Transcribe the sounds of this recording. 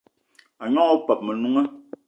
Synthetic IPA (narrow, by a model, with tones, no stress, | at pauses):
a˨ɲɔ˦ɔ˦pɛ˨p̚mɛ˨nu˦ŋə˦